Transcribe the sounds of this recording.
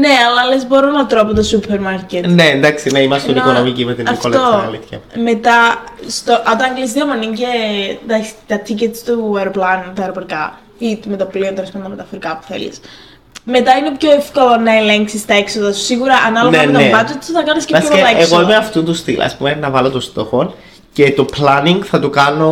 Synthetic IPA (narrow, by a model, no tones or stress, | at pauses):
ne̞ɐlɐlezbo̞ɾonɐt̪ɾo̞pot̪osupʰeɾmɐɾcet̪nend̪ɐksineimɐstt̪onikonomicimet̪iɐft̪oɐ̰liθçɐ̰me̞t̪ɐst̪oʔɐt̪ɐŋɡlisd̪iɐmoninced̪ɐkst̪ɐt̪ʰicet̪st̪uɐɾoplɐnt̪ɐeɾofoɾikɐ | it̪umet̪ɐpliont̪oɾispond̪ɐmet̪ɐfoɾikɐpu̥θe̞̰lḭs | me̞t̪ɐine̞pçoefkolo̞nɐeleŋksist̪ɐeksoðɐsu̥siɣuɾɐʔɐnɐloneɐnt̪ebɐd͡ʒet̪suθɐkɐnisceɐopt̪ɐeesɣoimeɐft̪unt̪ust̪ilɐ̰spumenɐvɐlot̪ost̪o̞xo̞n | ce̞t̪o̞plɐniŋɡθɐt̪ukɐno̞